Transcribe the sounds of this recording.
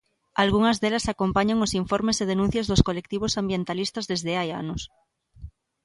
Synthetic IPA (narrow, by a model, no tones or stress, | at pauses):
alɣ̞uŋazðelasako̞mpaɲaŋosiɱfoɾmeseð̞enũn̟θjazðoskolek̚t̪iβ̞osambje̞nt̪alist̪azðezðeaja̰nos